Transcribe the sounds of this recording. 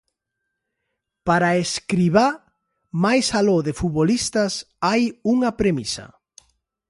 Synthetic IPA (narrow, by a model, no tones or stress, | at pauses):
paɾaeskɾiβa | majsaloðefuβolist̪ɐs | ajuŋɐpɾemisɐ̰